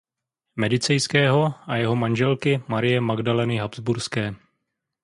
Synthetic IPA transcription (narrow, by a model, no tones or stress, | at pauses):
mɛdɪt͡sɛjskɛːɦo̞ʔajɛɦo̞manʒɛlkɪmaɾɪjɛmaɡdalɛnɪɦabzbuɾskɛː